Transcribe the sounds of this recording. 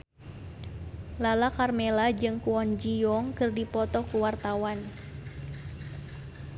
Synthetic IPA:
lalakarmɛlad͡ʒɨŋkuɔnd͡ʒijɔŋkɨrdipɔt̪ɔkuwart̪awan

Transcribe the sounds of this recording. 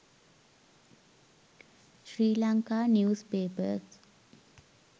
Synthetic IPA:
ʃɾiːlaŋkaːnjuːspeːpəs

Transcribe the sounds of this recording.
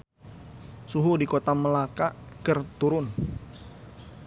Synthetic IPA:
suɦudikot̪aməlakakərt̪uɾʊn

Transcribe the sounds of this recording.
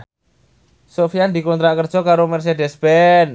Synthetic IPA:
sofiand̪ikɔnt̪ɾaʔkərd̥ʒ̥ɔ̤kaɾomɛrs̬edɛsb̥ɛn

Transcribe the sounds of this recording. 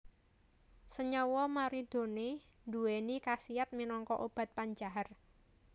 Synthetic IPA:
səɲɔwɔmaɾid̪̥o̤ne | nduwenikasiat̪̚minɔŋkɔʔob̥a̤t̪̚paɲd͡ʒaɦər

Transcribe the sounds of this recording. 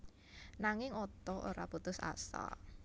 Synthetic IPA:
naŋɪŋɔt̪ɔʔoɾa̰put̪ʊsa̰sa̰

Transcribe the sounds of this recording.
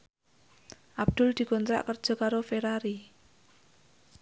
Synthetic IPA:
ʔab̚d̪̥ʊld̪̥i̤kɔnt̪ɾa̰ʔkərd̥ʒ̥ɔ̤kaɾofeɾaɾi

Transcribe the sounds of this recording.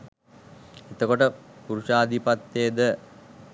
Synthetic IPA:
et̪əkoʈəpuɾuʃaːd̪ipat̪ːejəd̪ə

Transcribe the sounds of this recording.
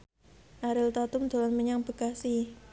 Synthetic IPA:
ʔaɾɪlt̪at̪ʊmd̪o̤lanməɲaŋb̥əɡ̥asi

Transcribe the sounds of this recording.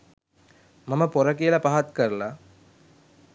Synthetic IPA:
mɐmɐporɐkijɐlɐpaɦat̪kɐrla

